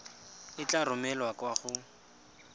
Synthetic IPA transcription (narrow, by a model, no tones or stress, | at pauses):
ɪt͡ɬarʊmɛlwakwaχʊ